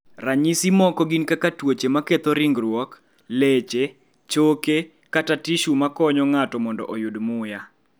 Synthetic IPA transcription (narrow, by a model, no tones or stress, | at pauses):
raɲisimɔkɔɡinkakatwot͡ʃemaket̪ɔɾɪŋɡɾwɔk | let͡ʃe | t͡ʃoke | katatiʃumakɔɲɔŋatɔmɔndɔ̰ʔɔjudmʊja